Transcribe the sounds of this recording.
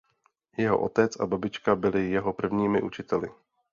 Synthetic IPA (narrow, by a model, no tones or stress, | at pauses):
jɛɦo̰ʔo̞t̪ɛt͡sʔa̰babɪt͡ʃkabɪlɪjɛɦopr̩vɲiːmɪʔut͡ʃɪt̪ɛlɪ̰